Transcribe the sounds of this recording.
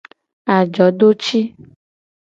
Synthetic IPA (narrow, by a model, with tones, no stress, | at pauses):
a˨d͡ʒɔ˨˦ɖo˦t͡ʃi˦